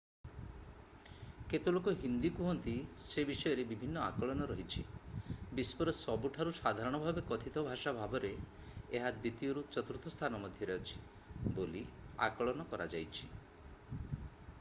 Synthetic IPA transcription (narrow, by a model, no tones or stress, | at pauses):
ket̪olokɔɦind̪ikuɦɔnt̪isebisɔjɔɾebibʱinːɔa̰kɔɭɔnɔɾɔɦit͡ʃʰibispɔɾɔsɔbuʈʰaɾusad̪ʱaɾɔɽ̃ɔbʱabekɔt̪ʰit̪ʰɔbʱaʃabʱabɔɾeː | ɦad̪bit̪ijɔɾut͡ʃɔt̪ɾut̪ʰɔst̪ʰanɔmɔd̪ʱjɔɾeɔt͡ʃʰi̥ | bolia̰kɔɭɔnɔkɔɾa̰d͡ʒajt͡ʃʰi̥